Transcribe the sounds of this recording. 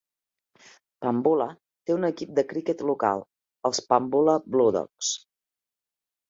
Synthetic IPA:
pambulə | t̪eunəkip̚d̪əkɾikɛt̪luka̰lˠ | əlˠspambuləbluðɔ̰ks

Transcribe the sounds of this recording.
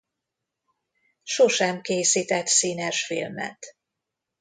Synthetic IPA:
ʃoʃɛmkeːsiːt̪ɛt̪siːnɛʃfḭlmɛ̰t̪

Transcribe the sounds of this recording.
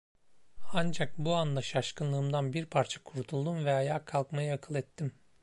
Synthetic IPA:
and͡ʒak̚buand̪aʃaʃkɯnlˠɯːmd̪anbiɾpʰaɾt͡ʃʰḁkʰuɾt̪ʰulˠd̪umvɛajaːkʰːalˠkmajɯakʰɯlˠɛt̪ʰːim

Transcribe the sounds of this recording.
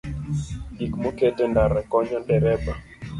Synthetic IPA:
dikmɔkɛtɛndaɾɛkɔɲɔdɛɾɛba

